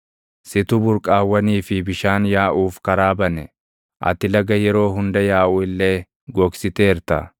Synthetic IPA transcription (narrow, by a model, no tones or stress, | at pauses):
sɪt̪ʊbʊɾkʼaːwːɐniːfɪbɪʃaːnjaːʔuːfkɐɾaːbɐnɛ | ʔɐ̰t̪ɪlɐɡɐjɛɾo̞ːɦʊnd̪ɐjaːʔʊːɪlːe̞ː | ɡɔksɪt̪e̞ːɾt̪ɐ̰